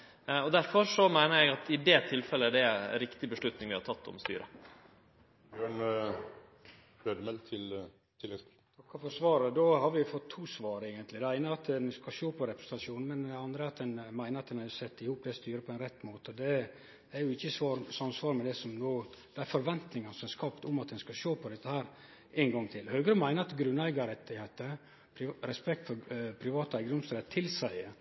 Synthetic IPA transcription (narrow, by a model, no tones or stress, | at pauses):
ɔd̪æɾfɔɾsɔmæɪnəɾjɛɡɑt̪ɪd̪ɛːt̪ʰɪlfɛlːəæɖɛɾɪkt̪ɪbəʂɭʉt̪nɪŋʋɪhɑɾtʰɑt̪ːɔ̰mst̪y̰ːɾʔə | bjøːɳ | øːd̪əmɛlt̪ʰɪl | t̪ʰɪlːɛs | t̪ʰɑkːəfɔsʋɑːɾəd̪ohɑɾʋɪjʊfɔt̪ʰːuːsʋɑːɾəeːɡənt̪lɪd̪ɛæɪnəɑt̪ɛnɪskɑʃoːpʰɔɾɛpɾɛst̪ɑʂuːnn̩mɛnd̪ɛɑnd̪ɾəɑt̪d̪ɛnmæɪnəɾɑt̪d̪ɛnæsɛt̪ːɪhuːp̚d̪ɛst̪yːɾəpʰɔɛnɾɛt̪ːmoːt̪əɔd̪ɛ | æɾjʊɪçːəsʋɑːɾsɑnsʋɑːɾmɛd̪ɛsɔmnoːd̪̥ɛæɾfɔɾʋɛnt̪nɪŋɑnəsɔmæskɑːpt̪ʊmɑt̪d̪ɛnskɑʃoːpʰɔd̪ɛt̪ːəhæːɾ | eːnɡɑŋt̪ʰɪlhøːɡəɾəmæɪnəɾɑt̪ɡɾʉnːæɪɡɑɾɛt̪ːɪheːt̪ə | pɾɛspɛkt̪fɔɾpʰɾɪʋɑːt̪əæɪɡənʊmst̪ɾet̪ʰːɪlsæɪ